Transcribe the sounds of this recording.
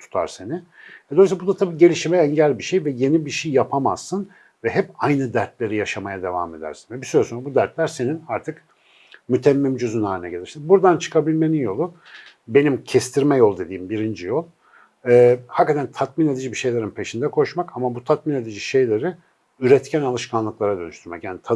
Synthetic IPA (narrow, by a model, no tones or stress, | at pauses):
t̪ʰu̥t̪ʰa̰ɾse̞nɪ | vɛd̪osbud̪at̪ʰabiːɟe̞lʲiʃimɛɛɲɟælʲbiʃejvɛje̞nibiʃejjapʰama̰z̥ːɯn | vɛɦɛpajnɯd̪æɾt̪lʲe̞ɾijaʃamajad̪e̞va̰me̞d̪æ̰ɾsinvɛbisyɾɛsonɾabud̪æɾt̪lʲæɾse̞ninaɾt̪ʰɯk | myt̪ʰɛmːimd͡ʒøzynaːlʲinɛ̰ɟelʲiɾʃsibuɾd̪ant͡ʃʰɯ̥kʰabilʲme̞ninjo̞lˠu | be̞nimcʰɛst̪ʰiɾmɛjolˠd̪e̞d̪iːmbiɾind͡ʒijolˠ | ɛːhakːat̪ʰænt̪ʰat̪mine̞d̪id͡ʒibiʃe̞jlʲe̞ɾɯnpʰe̞ʃind̪ɛkʰo̞ʃmakamabut̪ʰat̪̚mine̞d̪id͡ʒiʃe̞jlʲe̞ɾɪ | yɾɛt̪cʰænalˠɯʃkʰanlˠɯklˠaɾad̪ønyʃt̪yɾmɛ̰cjaːnit̪ʰa